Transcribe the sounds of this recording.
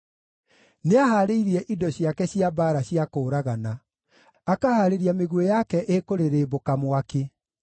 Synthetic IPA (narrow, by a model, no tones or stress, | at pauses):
neaɦaːɾeiɾiɛʔidɔɕjakɛɕiabaːɾaɕjakoːɾaɣana | akahaːɾeɾiameɣuejakɛʔekoɾeɾeːbokamwake